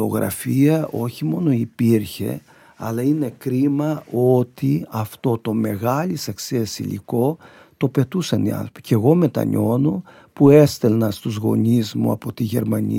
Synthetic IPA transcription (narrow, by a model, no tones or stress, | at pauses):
o̞̰ɣɾɐ̰fiɐʔo̞çimo̞no̞ipiɾçe̞̰ | ɐ̰lɐine̞kɾimɐo̞t̪iɐft̪o̞t̪o̞me̞ɣɐlisɐkseesḭlḭko̞ | t̪o̞pe̞t̪usɐniɐ̰nθɾo̞pi̥ceɣo̞me̞t̪ɐ̰ɲo̞no | pue̞st̪e̞lnɐst̪uzɣo̞̰ɲizmṵɐ̰po̞t̪iʝe̞̰ɾmɐɲḭ